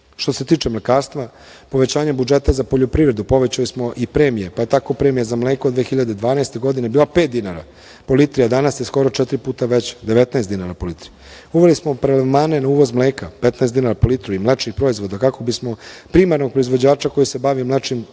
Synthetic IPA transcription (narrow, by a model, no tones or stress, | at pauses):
ʃt̪o̞se̞t̪iːt͡ʃemlekaːɾst̪ʋa | po̞ʋe̞t͡ɕaːɲabud͡ʒet̪azapoʎo̞pɾiːʋɾed̪upo̞ʋet͡ɕalismo̞ʔipɾeːmijepaet̪ako̞pɾe̞ːmijazamleːkod̪ʋexiʎad̪ed̪ʋaːnaest̪e̞ɡo̞d̪ine̞biːlapet̪d̪inaɾa̰ | po̞lit̪ɾiad̪anasjesko̞ɾo̞t͡ʃɛt̪ɾipuːt̪aʋet͡ɕd̪eʋet̪naesd̪inaɾapo̞lit̪ɾi | uʋelismo̞pɾelemaːne̞nauːʋo̞zmleːkapet̪naesd̪inaɾapolit̪ɾuimlet͡ʃnixpɾo̞izʋo̞d̪akako̞bismo̞pɾimaɾnoɡ̚pɾoizʋo̞d͡ʑaːt͡ʃako̞jise̞baʋimlet͡ʂim